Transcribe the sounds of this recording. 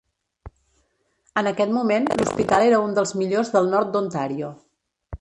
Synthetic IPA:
ənəkɛt̪mumenluspit̪alˠeɾəund̪əlˠzmiʎozðəlˠnɔɾt̪̚d̪unt̪aɾiu

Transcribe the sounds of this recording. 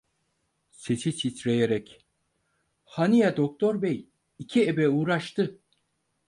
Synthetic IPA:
sesit͡ʃʰit̪ɾejeɾɛc | hanijad̪ok̚t̪ʰo̞ɾbɛj | icʰiebɛuːɾaʃt̪ʰɯ

